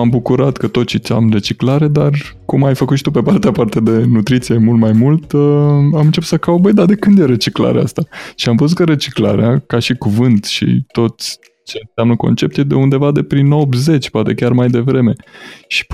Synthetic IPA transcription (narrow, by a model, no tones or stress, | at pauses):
ambukuɾat̪kət̪o̞t̪t͡ʃit̪a̰mre̞t͡ʃiklaɾe̞d̪ar | kumajfəkut̪ʃi̥t̪upe̞part̪eapart̪ead̪e̞nut̪ɾit̪sije̞mult̪majmult̪əamɨnt͡ʃepu̥t̪səkawbəjd̪ad̪e̞kɨnd̪jeɾe̞t͡ʃikla̰ɾḛa̰st̪aʃiamvəzut̪̚kəɾe̞t͡ʃikla̰ɾḛakaʃikuvɨnt̪ʃḭt̪o̞t̪sʲ | t͡ʃe̞nsʲamnəko̞̰nt͡ʃe̞p̚t̪jed̪e̞und̪e̞vad̪e̞pɾinobze̞t͡ʃʲpoat̪e̞kʲarmajd̪e̞vɾe̞me̞ʃi̥p